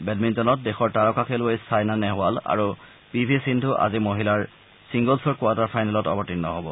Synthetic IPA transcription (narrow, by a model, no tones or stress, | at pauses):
bɛdmintɔnɔt̚dexɔɹtaɹɔkakʰɛlʊejsajnanɛɦʊala̰ɹu | pibʱisindʱʊʔa̰zimoɦilaɹ | siŋɡɔlsɔɹkʊataɹpʰajnɛlɔtɔ̰bɔtinːɔɦobɔ